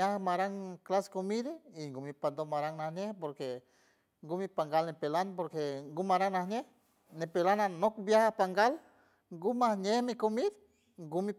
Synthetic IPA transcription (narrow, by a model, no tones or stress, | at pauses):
ahamaɾaŋklaskomiɾeiŋɡumipand̪omaɾaŋnahɲehpoɾke | ŋɡumipaŋɡalnepelanpoɾkeŋɡumaɾaŋnahɲeh | nepelananokbjahapaŋɡal | ŋɡumahɲehmikomid̪ | ŋɡumi